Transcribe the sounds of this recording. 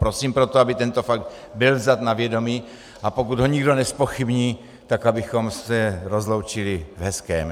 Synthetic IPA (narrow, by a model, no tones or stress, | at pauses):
pɾo̞siːmpɾot̪oabɪt̪ɛnt̪o̞faɡ̚t̪ | bɪlvzat̪navjɛdo̞miː | ʔapo̞kud̪ɦo̞ɲɪɡdo̞nɛspo̞xibɲiː | t̪akabɪxo̞msɛɾo̞zlo̞wt͡ʃɪlɪvɦɛskɛ̰ːm